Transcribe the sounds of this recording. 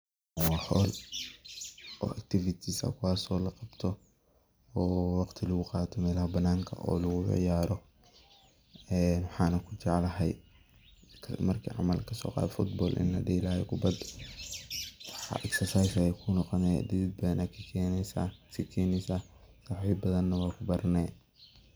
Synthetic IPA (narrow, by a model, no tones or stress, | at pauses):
ɔːħɔːl | ʔɔ̰ːʔɐk̚t̪ʰɪfɪt̪ʰisɐ̰kʰʊwaːsɔːlɐqɑb̥t̪ʰɔ | ɔːwɑqt̪ʰɪlɐɣʊqɑːt̪ʰɔmɛːlɐhɐbɐnaːŋkʰɐ̰ʔɔ̰ːlɐɣʊ̰ʕjaːɾɔ | ɛːnwɑħɑːnɐkʰʊt͡ʃɑʕlɐɦɛj | kʰɐmɐrkʰḭːʕɑ̰mɐlkʰɐsɔ̰ːqɑ̰ːðɛfʊt̪̚bɔːlʔɪ̰nlɐ̰ɖiːlɐjɛ̰kʰʊbɐd̪ | wħɑ̰ʔɛksɐsajsɐɛjkʰʊnɔqɔnɛd̪ɪðɪd̪̚bɐnʔɐkʰɐkʰɛnsasikʰɛːnɛsasaħiːbbɐðɐnːɐwɑːkʰʊbɐɾnɛː